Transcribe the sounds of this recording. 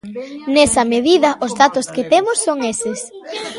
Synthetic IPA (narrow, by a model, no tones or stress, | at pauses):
nɛsɐmeðiðɐʔʊzðat̪ʊskɪt̪emʊsːoŋesɪs